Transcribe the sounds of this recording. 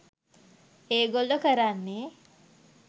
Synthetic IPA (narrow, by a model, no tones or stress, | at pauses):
eːɡolːokəɾanːe